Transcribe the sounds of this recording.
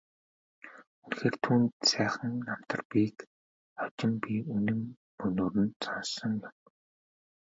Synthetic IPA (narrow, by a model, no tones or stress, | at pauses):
unxeːr̥t̪ʰuːnt̪sæːχə̆ŋːam̥t̪ə̆rpiːk | ɔt͡ɕɪ̆mpiunɘ̆m | ɵnoːɾɘ̆nsɔnsɞ̆ŋjʊn